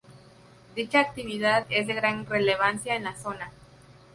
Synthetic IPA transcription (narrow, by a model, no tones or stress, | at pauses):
d̪it͡ʃaːk̚t̪iβiðaðezðe̞ɣɾaŋre̞le̞βansjaenlaso̞na